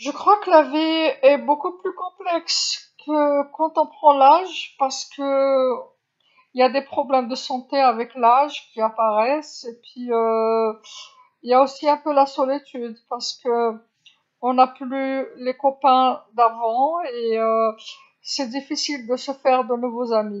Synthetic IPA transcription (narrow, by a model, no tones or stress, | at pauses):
ʒəkχwakəlaviɛbokuplykɔ̃plɛkskʰəkɑ̃t̪ɔ̃pχɑ̃laʒpaʁsə̥kə | iljad̪epχɔblɛmd̪əsɑ̃t̪eavɛklaʒkʲiapaʁɛsepɥiø | iljaosiɛ̃pølasɔlit̪yd̪paʁsə̥kə | ɔ̃naplylekɔpɛ̃d̪avɑ̃eø | sɛd̪ifisild̪əsəfɛʁd̪ənuvozami